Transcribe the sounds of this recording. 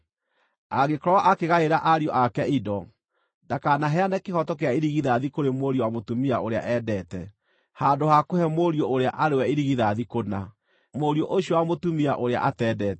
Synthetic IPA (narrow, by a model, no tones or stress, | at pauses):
aɣekɔɾɔwaʔakeɣaeɾaʔaɾiɔʔakɛidɔ | dakanaɦɛanɛkehɔtɔk̬eaiɾiɣiðaðikoɾemoɾiowamotumiaoɾea̰ʔɛːdɛtɛ | haːndohakohɛmoɾjooɾea̰ʔaɾewɛiɾiɣiðaðikona | moɾioʔoɕjɔwamotumiaʔoɾea̰ʔatɛːdɛːtɛ